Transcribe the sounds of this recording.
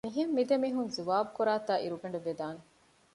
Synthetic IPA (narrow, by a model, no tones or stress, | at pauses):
miɦemːid̪emiːɦunzuʋaːbukuɾaːt̪aːʔiɾubeɳɖuʋed̪aːne